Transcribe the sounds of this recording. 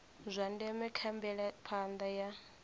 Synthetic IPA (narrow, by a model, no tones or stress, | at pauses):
zʷandɛmɛkʰambɛɺapʰand̪aja